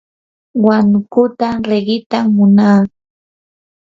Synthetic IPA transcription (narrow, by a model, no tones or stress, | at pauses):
waŋkʊt̪aɾeɢɪt̪amʊnaː